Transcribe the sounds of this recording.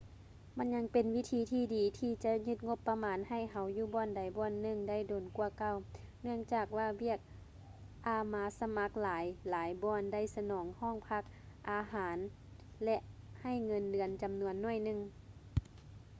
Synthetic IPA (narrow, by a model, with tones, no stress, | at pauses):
ma˧˥˨nɲa˧˥ŋpe˨nwi˧˥t̪ʰiː˧˦t̪ʰiː˧˦diː˨˦t̪ʰiː˧t͡ɕa˧ɲɯ˧˥t̪̚ŋo˧˦pːa˧maː˨˦nha˧˩jɦa˨˦wjuː˧bɔː˧˩nda˨˦jbɔː˧˨nːɯ˧˩˨ŋda˥˩˨jdoː˨˩nku˧ɐka˧˨w | nɯ˥˩əŋt͡ɕaː˨˩k̚waː˧˩wi˧˥˩ək̚ | ʔaː˧˩maː˨˧˦sa˧ma˧˥k̚laː˨˦jlaː˨˦jbɔː˧˩nda˧˥˩jsa˧nɔː˨˦ŋhɔː˧˥˩ŋpʰa˧k̚ | ʔaː˨˧ɦaː˨˦n | lɛ˧ʔha˧˩jŋɤ˧ndɯ˨˩ənt͡ɕa˨mnu˧ənːɔ˧˩˨jnɯ˧˨ŋ